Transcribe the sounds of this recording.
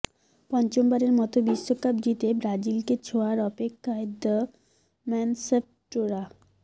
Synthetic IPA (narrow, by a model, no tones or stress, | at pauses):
pɔnt͡ɕombaɾeɾmɔt̪obiʃːokap̚dit̪ebɾad͡ʑilket͡ɕʰoaɾɔpekʰːaed̪ə | mɛnsep̚ | ʈoɾa